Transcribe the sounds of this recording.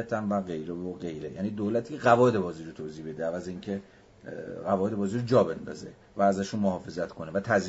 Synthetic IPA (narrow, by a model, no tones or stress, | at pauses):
æt̪ʰænvæɣejɾevoɢe̞jɾejæ̰niːd̪oːlæt̪ʰiːcʲʰeɣævɒːed̪e̞bɒːziːɾot̪ʰoːziːbe̞d̪eævæzeiːŋcʰe̞ | ɣævɒːʔed̪ebɒːziːɾod͡ʒɒːbe̞nd̪ɒ̰ːzḛ | væːzæʃunmoɦɒːfe̞zæt̪kʰo̞nevæt̪ʰæz